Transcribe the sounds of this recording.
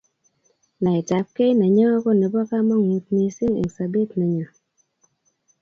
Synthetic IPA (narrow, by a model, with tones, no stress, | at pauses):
na˨e˨ta˨p̚ke˦na˨ɲɔ˦ko˦˨ne˨bɔ˦ka˦mɔ˦ŋ˨ju˨t̚ne˨si˦ŋḛ˨ksa˨be˦˨tnə˨ɲɔ˨